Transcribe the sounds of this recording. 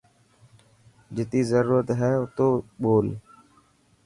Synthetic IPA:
d͡ʒɪt̪iːzəɾuːɾət̪ɦɛːʊt̪oːɓoːl

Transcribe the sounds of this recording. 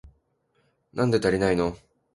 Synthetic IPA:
nãnd̪e̞t̪aɾʲinaino

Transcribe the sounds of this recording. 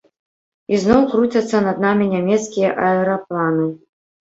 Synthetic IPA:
iznɔwkɾut͡sʲɐt̪sːɐnɐd̪namʲinʲamʲɛt̪skʲijɐʔɐɛɾaplˠanɨ

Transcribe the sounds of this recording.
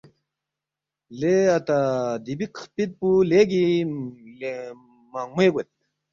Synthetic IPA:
leat̪ad̪ibiqpid̪̚puleɡi | le | mamueɡet̪̚

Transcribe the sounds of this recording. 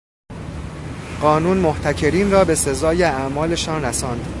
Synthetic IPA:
ɢɒːnuːnmoht̪ʰæcʰe̞ɾiːnrɒːbe̞se̞zɒːjeæʔmɒːle̞ʃɒːnræsɒːnd̪̥

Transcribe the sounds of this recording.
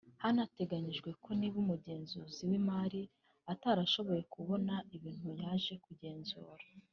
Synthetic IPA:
hanate̞ɡaɲiʒɡwe̞kʰo̞niβumuɟe̞ːnzuziwimaɾi | ataɾaʃo̞βo̞je̞kuβo̞naʔiβiːn̥hujaːʒe̞kuɟe̞ːnzṵːɾḁ

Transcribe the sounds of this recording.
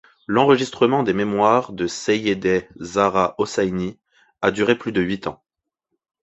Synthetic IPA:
lɑ̃ʁəʒist̪χəmɑ̃d̪ememwaʁd̪əsejed̪ɛzaʁaʔɔsajni | ad̪yʁeplyd̪əɥit̪ɑ̃

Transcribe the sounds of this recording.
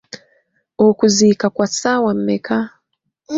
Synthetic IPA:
ɔkuzikakwasawam̩mɛkʰa

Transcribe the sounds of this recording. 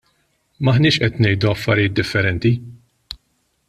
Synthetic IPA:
mɐħnɪːʃʔɛt̪nɛjd̪uɐfːɐɾɪjɪːt̪̚d̪ɪfːɛɾɛnt̪i

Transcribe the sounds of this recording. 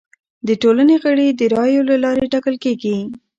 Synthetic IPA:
d̪əʈolaneɣəɽid̪əɾɑjolalɑɾeʈɑkəlkeɡi

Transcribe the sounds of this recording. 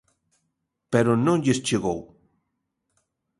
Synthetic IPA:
peɾonõŋʎest͡ʃeɣo̰w

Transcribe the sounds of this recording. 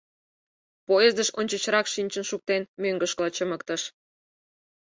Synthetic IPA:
poezd̪əʃonʲt͡ɕə̆t͡ɕəɾɑkʃinʲt͡ɕənʃuk̚t̪enmøŋɡəʃklɑt͡ɕəmə̆kt̪ə̆ʃ

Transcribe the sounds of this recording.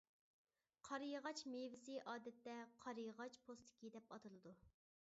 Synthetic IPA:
qʰɑɾɨjʁɑt͡ʃmevɪsɪʔɑːd̪ɛt̪ːɛqʰɑɾɨjʁɑt͡ʃpʰost̪ʰɪ̥kʲid̪ɛpɑt̪ʰɨlˠɨd̪u

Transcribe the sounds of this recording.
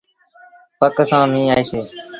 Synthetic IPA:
pəksãːmĩːaːeːseː

